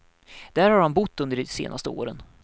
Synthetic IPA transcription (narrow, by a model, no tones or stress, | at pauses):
d̪̥æːɾhaɾhanbʊt̪ːɵnd̪əɖɛsḛːnʔast̪əoːɾən